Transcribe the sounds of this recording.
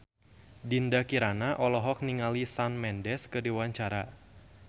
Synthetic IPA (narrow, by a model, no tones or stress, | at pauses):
dindakiɾanaʔɔlɔɦɔk̚niŋalisanmɛndɛskɨdiwaɲt͡ʃaɾa